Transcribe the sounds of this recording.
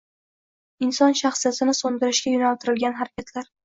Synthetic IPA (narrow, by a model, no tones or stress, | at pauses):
ɪnsɒnʃaχsijat̪ɪnɪsond̪ɪɾɪʃɡʲajʊnalt̪ʰɪɾɪlɡʲanɦaɾakʲʰat̪laɾ